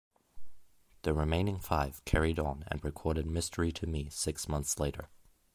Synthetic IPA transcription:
ðɨɹɨmẽɪ̃nɪ̃ŋfaɪv̥kʰɛɹiɾn̩ɨ̰̃nɹɨkʰɔɹɾɨd̚mɪstʰə˞iɾɨmisɪksmʌ̃nθsleɪɾə̰˞

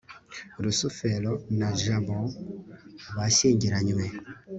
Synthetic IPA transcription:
ɾusofɛlɔnaʒabɔ | βaseŋɟiɾaɲumɛ

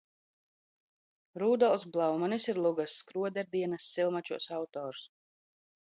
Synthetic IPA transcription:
ɾuːd̪ɔlˠsblˠawmanisiɾlˠuɡasːkɾuɔd̪ɛɾd̪iɛnasːilˠmat͡ʃuɔsawt̪ɔːɾs

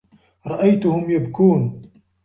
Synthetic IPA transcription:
ɾˤɑʔajt̪ʊhʊmjabkuːn

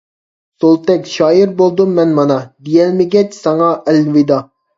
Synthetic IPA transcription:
solˠt̪ɛkʲʃɑːjiɾbolˠd̪umːɛnmɑnɑd̪ijɛlmɪɡʲɛt͡ʃsɑŋɑʔɛlvɪd̪ɑ

